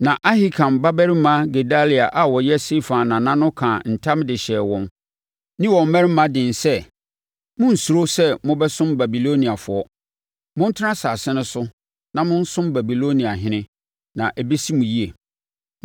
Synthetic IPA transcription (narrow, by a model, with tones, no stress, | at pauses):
nã˨ʔa˦hi˦kʰã˨mba˦bɛ˦ɾi˦mã˦ɡe˨da˦li˨a˨ʔa˨wɔ˨jɛ˦se˦fã˨nː˨ã˨nã˦nʊ̃˦kʰãː˨n̩˨tʰã˦mdɪ˨ɕɛː˨wɔ̃˦m | nɪ̃˦wɔ˨m̩˦mɛ̃˦ɾɪ˦mã˦dɪ̃˨n˨sɛ˦ | mʊ̃˦n̩˨su˨ɾo˦sɛ˦mʊ̃˦bɛ˦sʊ̃˦mba˨bi˨lo˦nĩ˨a˨fʊ˨ɔ˦ | mʊ̃˦n̩˦tʰɪ˦nã˦saː˨sɪ˦nʊ̃˦sʊ˦ | nã˨mʊ̃˦n̩˦sʊ̃˦mba˨bi˨lo˦nĩ˨a˨ɦɪ̃˦nɪ̃˦ | nã˨ʔɛ˨be˦si˦mũ˨ji˦e˨